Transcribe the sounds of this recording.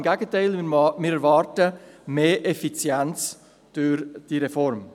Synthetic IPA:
mɡæɡətʰaɪlmɪɾɛɾvɑːɾtəmeːɾʔefit͡sjɛnt͡s | d̥ʊɾd̥iɾefɔɾm

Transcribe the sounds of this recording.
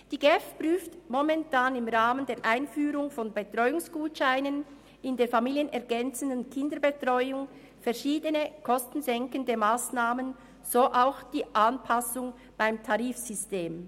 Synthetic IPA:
d̥iːɡɛfpryːftmɔmɛntʰaːnɪmʁaːməndeːɐɾʔaɪnfyːɾʊŋfɔnbetʁ̥ɔʏʊŋsɡ̥uːtʃaɪnən | ɪndeːfamiːljənɛɐɡɛnt͡sən̩dənkʰɪndəbətʁ̥ɔʏʊŋ | fɛɐʃiːdənəkʰɔstn̩zɛŋkəndəmaːsnaːmən | z̥oʔaʊxd̥iːʔanpʰasʊŋ | b̥aɪmtʰaʁiːfsʏsteːm

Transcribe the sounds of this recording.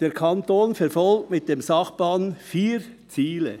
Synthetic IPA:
d̥eːɾkʰɑntoːnfɛɾfɔlk̚tmɪt̚d̥emsɑχbɑːnfiːɾ | t͡siːlə̰

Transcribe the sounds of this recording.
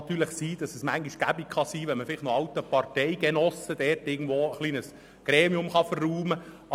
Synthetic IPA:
t̪yːləχsiːd̥ɑsəsmæŋɡiʃɡ̥æbikχɑsiːʋɛnməfɪlɪχnɔɑwt̪əpɑrtɛɪɡenɔsəd̥ɛɾtɪːɡn̩d̥ʋoːəχliːnəs | ɡ̥ɾeːmiʊmχɑfərːuːmə

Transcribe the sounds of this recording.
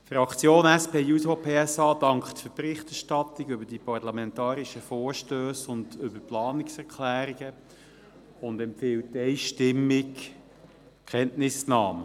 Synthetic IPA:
fɾɑkt͡sjoːnæspeːjusopʰeːɛsɑːd̥ɑŋkχtfʏpɾɪχtɛʁʃtɑt̪ːɪɡʏbəɾd̥ipɑɾlɑmɛntɑːɾiʃəfoːɾʃtøːsʊndʏbəplɑːnɪksɛʁkʰlæːɾiɡə | ʊndɛmpfɪltːɛɪʃtɪmːɪk | kʰɛntnɪsnɑːm

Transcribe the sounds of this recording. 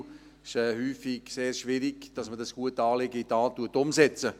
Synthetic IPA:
ɪʃɛːhyːfɪ̥seːɾʃvɪɾiɡ̥d̥ɑsmədɑsɡ̥uətɑːlɪɡəitɑːtuɐtʊmsɛt͡sə

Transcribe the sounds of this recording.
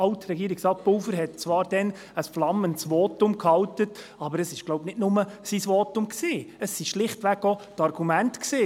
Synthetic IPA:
ɑltɾɛɡiːɾɪksɾɑːt̪̚poːfəɾɦɛt̚t͡sʋɑːɾd̥ɛn | əsflɑməntsʋɔːtʊmkʰhɑltət | ɑbəɾəsɪʃɡ̥loʊbnɪtnʊməsisʋɔːtʊmksiːəsːiʃlɪχtʋæɡotɑrɡumæntksiː

